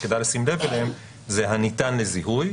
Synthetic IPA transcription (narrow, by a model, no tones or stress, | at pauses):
ked̪ajlasimle̞velehem | zeɦanit̪anleziɦuj